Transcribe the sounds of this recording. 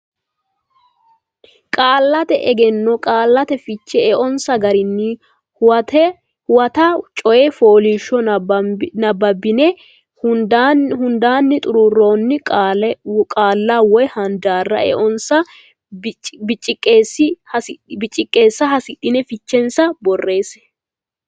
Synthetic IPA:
kʼaːlːɐt̪ɛʔɛɡɛnːɔkʼaːlːɐt̪ɛfɪt͡ʃːɛɛʔɔnsɐɡɐɾɪnːɪ | ɐt̪ɛ | hwɐt̪ɐt͡ʃʼɔjɛfo̞ːliʃːɔ | nɐbːɐbːɪnɛ | hʊd̪anhʊnd̪aːnːɪt̪ʼʊɾurːo̞ːnːɪkʼakʼaːlːaːwɔjhɐnd̪aːrːɐʔɛ̰ʔɔnsɐ | bɪt͡ʃʼːɪkʼːeːsːɪhɐsɪbɪt͡ʃʼːɪkʼːeːsːɐɦɐsɪɗɪnɛfɪt͡ʃːɛnsɐbɔrːe̞ːs

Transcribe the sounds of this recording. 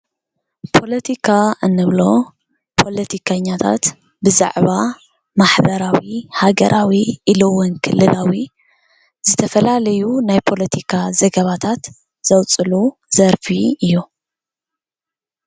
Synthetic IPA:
pʰo̞lɐt̪ʰikʰaʔɨnːɨβlo̞ | pʰo̞lɐt̪ʰikʰɐɲːat̪ʰa̰t̪ | bɨza̰ʕβa | maħbɐɾawihaɡɐɾʔawiʔilowʊnkʰɨlːɨlʔawi | z̥ɨt̪ʰɐfɐlalɐjunajpʰo̞lɐt̪ʰikʰazɐɡɐβat̪ʰat̪ | z̥ɐwt͡sʼɨluzɐɾfiɨjːu

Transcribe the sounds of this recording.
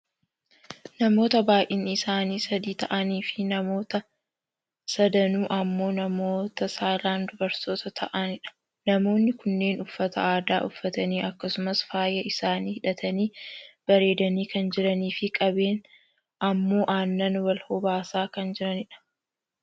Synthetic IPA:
nɐmo̞ːt̪ɐbaːʔɪnːɪsaːniːsɐd̪iːt̪ɐʔɐniːfɪnɐmo̞ːt̪ɐ | sɐd̪ɐnuːʔɐmːo̞ːnɐmo̞ːt̪ɐsaːlaːnd̪ʊbɐɾso̞ːt̪ɐt̪ʰɐʔɐnɪᶑɐ̥ | nɐmo̞ːnːɪkʊnːe̞ːnʊfːɐt̪ʰɐ̰aːd̪aːʔʊfːɐt̪ɐniːʔɐkːɐsʊmɐsfaːjɐɪsaːniːhɪᶑɐt̪ʰɐniːb̥ɐɾe̞ːd̪ɐniːkɐnd͡ʒɪɾɐniːfɪkʼɐbe̞ːn | ʔɐmːo̞ːʔaːnːɐnwɐlhɔbaːsaːkɐnd͡ʒɪɾɐnɪᶑɐ̥

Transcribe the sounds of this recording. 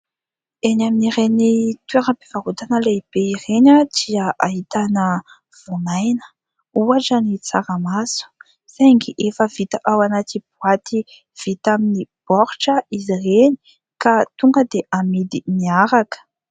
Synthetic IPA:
enaminirenit̪ueɾapevaɦut̪anəleib̥eireɲəd̪̥iəʔaɦit̪anə | v̥onajnə̥ | uaʈ͡ʂənit͡saɾəmasu̥ | sajŋɡiʔefəvit̪əʔawanat̪ib̥uat̪ʰi | v̥it̪aminib̥ɔɾʈ͡ʂəizireni̥ | kat̪uŋɡəd̪eʔamid̪iniaɾakə̥

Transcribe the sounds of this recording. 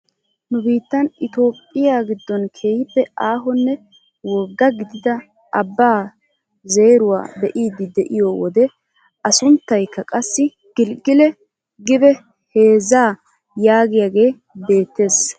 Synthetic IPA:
nʊbiːt̪ːɐnʔɪt̪o̞ːpʼːɪjaːɡɪd̪ːɔnkʰeːjɪpːɛʔaːɦɔnːɛ | wɔɡːɐɡɪd̪ɪd̪ɐ | ɐbːaː | ze̞ːɾʊwa̰ːbɛʔiːd̪ːɪd̪ɛʔɪjɔwɔd̪ɛ | ɐsʊnt̪ːɐjkːɐkʼɐsːɪ | ɡ̥ɪlɡɪlɛ | ɡɪbɛ | he̞ːzaː | jaːɡɪjaɡe̞ː | be̞ːt̪ːe̞ːs

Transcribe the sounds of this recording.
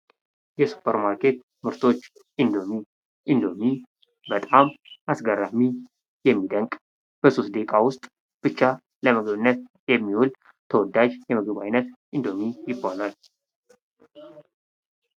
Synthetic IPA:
jɛsu̥pʰːəɾmaɾkʰe̞t̪ | mɨɾt̪ʰo̞t͡ʃː | ʔɨnd̪o̞mi | ʔɨnd̪o̞mi | bət̪ʼamasɡəɾːami | jɛmːid̪əŋkʼ | b̥əsost̪̚d̪ekʼawʊst̪ʼ | b̥ɨt͡ʃːa | ləməɡəβɨnːət̪̚ | jɛmːihul | t̪ʰəwɔd̪ad͡ʒjɛməɡəβajnət̪ʔɨnd̪o̞mijɪbːanal

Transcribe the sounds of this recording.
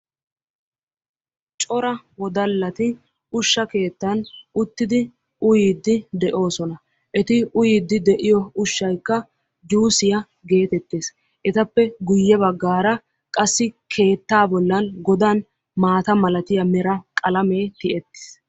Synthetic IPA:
t͡ʃʼɔɾɐ | wɔd̪ɐlːɐt̪ɪ | ʊʃːɐke̞ːt̪ːɐnʊt̪ːɪd̪ɪ | ʊjiːd̪ːɪd̪ɛʔo̞ːsɔnɐ | ʔɛt̪ɪʊjɪːd̪ːɪd̪ɛʔɪjɔʊʃːɐjkːɐ | d͡ʒuːsɪjɐ | ɡe̞ːt̪ɛt̪ːeːs | ʔɛt̪ɐpːɛɡʊjːɛbɐɡːaːɾɐ | kʼɐsːɪkʰe̞ːt̪ːaːbɔlːɐnɡɔd̪an | maːt̪ɐmɐlɐt̪ɪjɐmɛɾɐkʼɐlɐme̞ːt̪ɪʔɛt̪ːɪ̥s

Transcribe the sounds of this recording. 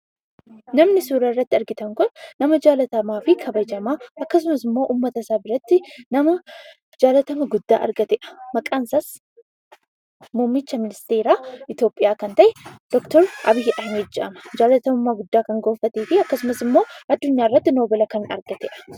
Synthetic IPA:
nɐmnɪsuːɾɐɪrːɐt̪ːɪɐɾɡɪt̪ɐŋkʊnːɐmɐd͡ʒaːlɐt̪ɐmaːfɪkʰɐbɐd͡ʒɐmaːʔɐkːɐs̬ʊmɐsɪmːo̞ːʔuːmːɐt̪ɐsabɪɾɐt̪ːɪnɐmɐ | d͡ʒaːlɐt̪ɐmɐɡʊd̪ːa̰ːʔɐ̰ɾɡɐt̪ɛʔɐ̥mɐkʼaːnsɐs | muːmːɪt͡ʃːɐmɪnɪst̪e̞ːɾaːʔɪt̪jo̞ːpʼːɪjaːkɐnt̪ɐʔɛd̪̥ɔkt̪ɔɾʔɐ̰bɪjːɛʔɐhmeːd͡ʒɪʔɐ̰mɐ̥d͡ʒaːlɐt̪ɐmʊmaɡʊd̪ːaːkɐŋɡoːfɐt̪eːfɪɐkːɐsʊmɐsɪmːoːɐd̪ːʊɲːaːɪrːɐt̪ːɪnoːbɐlɐkɐnɐ̰ɾɡ̥ɐt̪ɛʔɐ̥

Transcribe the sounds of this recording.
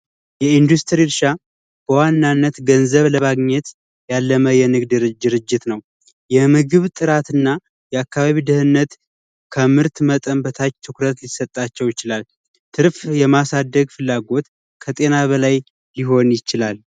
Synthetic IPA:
jɛind̪ust̪ʰɨɾiɾʃa | b̥əwanːanːət̪ɡənzəβləmaɡɲɛt̪ | jalːəməjɛnɨɡd̪ɨɾɨd̪ɨɾɨd͡ʒːɪt̪nəw | jɛmɨɡɨβt̪ʼɨɾat̪ɨnːa | jɛakːaβaβid̪ɨhɨnːət̪ | kʰəmɨɾt̪mət̪ʼəmbət̪ʰat͡ʃːt̪ʰɨkɾət̪lisːət̪ʼːat͡ʃːɛwjɪt͡ʃɪlal | t̪ʰɨɾfjɛmasad̪ːəɡfɨlːaɡo̞t̪ | kʰət̪ʼe̞naβəlajː | ɪɦo̞njɪt͡ʃɪlal

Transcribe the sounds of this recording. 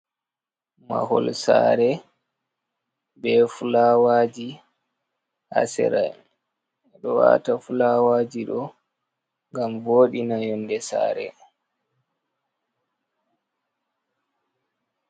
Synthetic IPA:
ma̰hɔlsaːɾɛ | bɛfulawaːd͡ʒi | ha̰sɛ̰ɾaj | ɗɔwa̰tafulawaːd͡ʒiɗɔ | ŋɡamvoːɗinajɔndɛsa̰ːɾɛ̰

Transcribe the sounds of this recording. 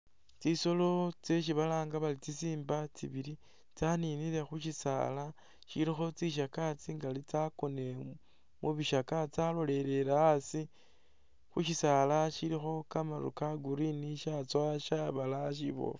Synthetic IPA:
t͡siso̞lo̞t͡se̞ʃ̬iβalaːŋɡaβalit͡sisiːmbat͡siβili | t͡saniniɾe̞xuʃisa̰la | ʃilixo̞t͡siʃ̬akat͡siŋɡalit͡sakone | muβiʃakat͡salo̞le̞le̞laːsi | xuʃisalaʃilixo̞kamaɾṵkaɡuɾiniʃat͡swaʃaβalaʃ̬iβo̞̰f

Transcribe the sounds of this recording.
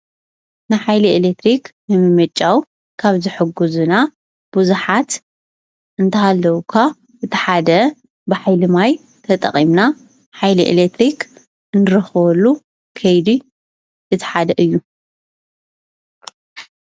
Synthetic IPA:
nɨħajlielekt̪ɾiknɨmɨmɐt͡ʃʼːaw | kʰaβzɨħɨɡuzuna | b̥uzuħat̪ | ʔɨnt̪ʰɐhalːɐwukʰa | ʔɨt̪ʰɨ̥ħad̪ɐ | bɨħajlɨmaj | t̪ʰɐt̪ʼɐ̰qʼimna | ħajliʔḛlet̪ʰɾik | ɨnɨɾɐxβɔlːu | kʰɐjd̪i | ʔɨt̪ʰi̥ħad̪ɐʔɨjːu

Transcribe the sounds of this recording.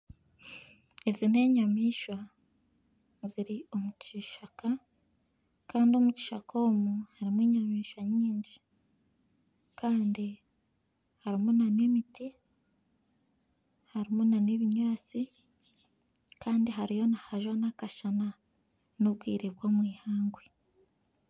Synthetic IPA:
ezine̞ːɲamiːʃwa | ziɾio̞muciʃaka | kaːndio̞muci̥ʃako̞ːmuhaɾimweːɲamiːʃwaɲiːɲɟi | kaːndi | haɾimunanemiti | haɾimunaneβiɲaːt͡si | kaːndiɦaɾijo̞nahaʒwanakaʃana | noβɡwiːɾeβɡoːmwiːhaːŋɡwe

